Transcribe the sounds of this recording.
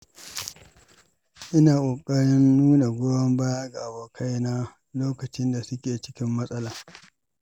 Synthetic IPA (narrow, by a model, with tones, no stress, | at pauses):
ʔɪ˦naː˨kʷʼoː˨kʼɐ˦ɽɪ˦nːuː˦na˨ɡʷoː˦jɐ˦mba˦ja˦ɡa˨ʔa˨boː˨kʰa˦jna˦ | loː˦kɐ˨t͡ʃɪ˦nda˨sʊ˦kʲeː˨t͡ʃɪ̥˦kʲɪ˦mːɐ˦sʼɐ˦laː˨